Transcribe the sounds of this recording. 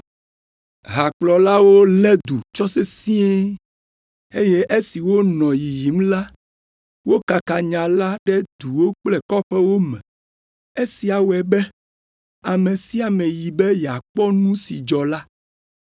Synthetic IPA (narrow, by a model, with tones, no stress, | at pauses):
ɦa˨k͡plɔ˨la˦wo˦lɛ˦d̪u˨t͡ʃɔ˦se˦sĩ˦e˦ | e˦je˦ʔe˦si˨wo˦nɔ̃˨ji˨ji˨m˦la˦ | wo˦ka˨ka˨ɲã˨la˦ɖɛ˦d̪u˨wo˦k͡plɛ˦kɔ˦ɸɛ˦wo˦mɛ̰̃˨ | e˦si˨a˨wɛ˨bɛ˦ | a˨mẽ˨si˦a˨mɛ̃˨ji˨bɛ˦jɛ˨a˨k͡pɔ˦nũ˦si˨d͡ʒɔ˨la˦